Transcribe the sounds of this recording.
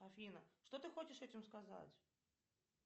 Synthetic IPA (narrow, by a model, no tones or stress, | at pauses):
ɐfʲinəʂt̪ot̪ɨxot͡ɕɪʂɛtʲɪmskaza̰t͡sʲ